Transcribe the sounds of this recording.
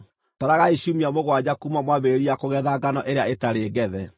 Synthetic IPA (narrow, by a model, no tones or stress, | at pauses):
taɾaɣaiʃumiamoɣwad͡ʑakumamwaβeɾiakoɣɛðaɡanɔʔeɾeaetaɾeɡɛðɛ